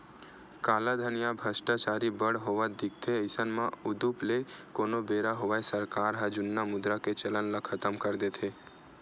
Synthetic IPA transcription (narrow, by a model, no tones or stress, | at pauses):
kaːlad̪ʱənijabʱəsʈat͡ʃaɾibəɽɦoʋad̪ɪk̚t̪ʰeəɪsənmãʊd̪uplekonobeɾaɦoʋaesəɾkaɾɦad͡ʒʊnːamʊd̪ɾaket͡ʃələnləkʰːət̪əmkəɾd̪et̪ʰe